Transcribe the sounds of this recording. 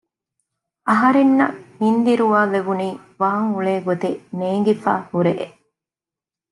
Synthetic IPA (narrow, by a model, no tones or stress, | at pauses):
ʔɐɦɐɾenːɐmind̪iɾuʋaːleʋuniːʋaːŋuɭeːɡot̪eneːŋ̆ɡifa̰ːhuɾeʔʔ